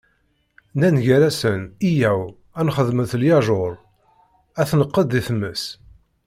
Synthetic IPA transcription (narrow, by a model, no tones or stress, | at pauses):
nænʝæɾæsənijæw | ænχəðməθljɑʒoɾˤ | æθnəqːəd̪ːiθəmːəs